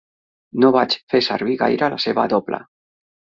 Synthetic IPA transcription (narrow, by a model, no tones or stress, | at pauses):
noβat͡ʃfeseɾβiɣa̰jɾalaseβa̰ðopla̰